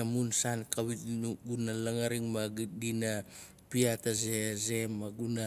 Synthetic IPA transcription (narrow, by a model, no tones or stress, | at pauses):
amunsankawinuɡunalaŋaɾiŋmaɡdina | piatazeze̞mːaɡuna